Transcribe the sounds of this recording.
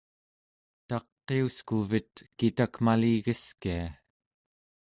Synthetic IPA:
t̪ɑqːeuskuvit̪̚kit̪akmaliɣəskia

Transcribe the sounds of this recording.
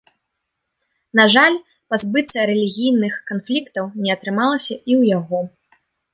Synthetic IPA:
naʐalʲ | pazbɨt̪sɐɾɛlʲiɣʲijnɨxkanflʲikt̪ɐwnʲɛɐt̪ɾɨmalˠɐsʲɐʔiwjaɣɔ

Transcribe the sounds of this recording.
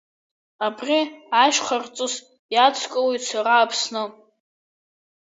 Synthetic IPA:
abrʲiaʃʷᶣχart͡sʼɨz | jat͡sʷʰkʼawejsʰaraːpʰsnɨ

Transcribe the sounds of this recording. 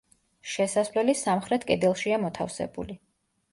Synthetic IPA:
ʃɛsasvlɛlisamχɾɛt̪ʰkʼɛd̪ɛlˠʃiamɔt̪ʰafsɛ̰bṵli

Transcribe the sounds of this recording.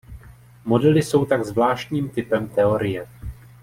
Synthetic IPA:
mo̞dɛlɪso̞wt̪aɡzvlaːʃt̪ɲiːmt̪ɪpɛmt̪ɛo̞ɾɪjɛ

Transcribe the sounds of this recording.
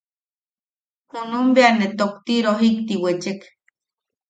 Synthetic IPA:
hunumbeanet̪okt̪iɾoɦikt̪iwet͡ʃek

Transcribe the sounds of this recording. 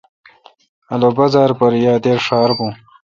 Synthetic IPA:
ɐlobɐzaːɾpɐɾjaːd̪eːɾʂaːɾbũː

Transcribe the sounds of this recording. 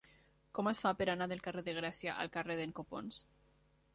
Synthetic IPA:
kɔməsfapəɾanaðelˠkareðeɣ̞ɾasjaʔa̰lˠkareðeŋkopo̰ns

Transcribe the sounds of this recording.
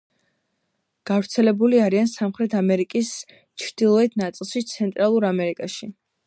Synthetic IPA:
ɡ̥avɾt̪sʰɛlɛbuliaɾiansamχɾɛt̪ʰamɛɾikʼis | t͡ʃʰɾd̪̥ilˠɔɛt̪ʰnat̪sʼilˠʃit̪sʰɛnt̪ʼɾalˠuɾamɛɾikʼaʃi

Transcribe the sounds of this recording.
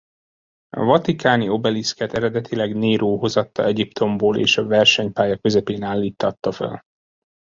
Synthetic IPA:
ɒ̰vɒt̪ikaːnio̞bɛliskɛt̪ɛɾɛd̪ɛt̪ʰilɛɡneːɾoːɦo̞zɒt̪ːɒ̰ɛɟipt̪ʰo̞mboːlʔḛːʃɒvɛrʃɛɲpaːjɒkø̞zɛpeːnaːlːiːt̪ʰːɒt̪ːɒfɛ̰l

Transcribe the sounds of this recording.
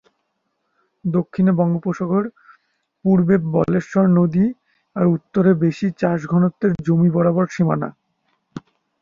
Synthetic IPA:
d̪okʰːinebɔŋɡopoʃoɡoɾ | puɾbebɔleʃɔɾnod̪i | aɾut̪ːoɾebeʃit͡ɕaʃɡʱɔnot̪ːeɾd͡ʑomibɔɽabɔɾʃimana̰

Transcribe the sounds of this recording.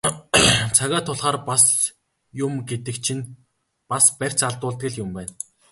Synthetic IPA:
t͡sʰaɣaːt̪ʰːʊɮχaːrpas | jʊmɡet̪ɘ̆kt͡ɕʰĭn | paspær̥ʲt͡saɮt̪ʊːɮt̪ɡɘ̆ɮjʊmpæːn

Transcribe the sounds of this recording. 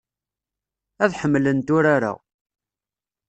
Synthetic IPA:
æðħəmːlənt̪ʊɾaɾa̰

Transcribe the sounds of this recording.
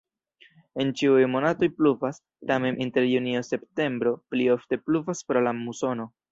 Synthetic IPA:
e̞nt͡ʃiujmo̞nato̞jpluvas | tame̞mʔinte̞ɾjuniose̞pte̞mbɾo̞plio̞fte̞pluvaspɾo̞lamuso̞no̞

